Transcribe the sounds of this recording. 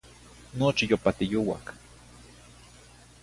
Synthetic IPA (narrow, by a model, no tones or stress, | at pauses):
not͡ʃijopat̪ijowa̰k